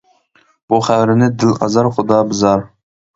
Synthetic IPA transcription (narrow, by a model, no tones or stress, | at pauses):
buχæwɾɪnɪd̪ɪlɑ̰zɑɾχʊd̪ɑːbɨzɑɾ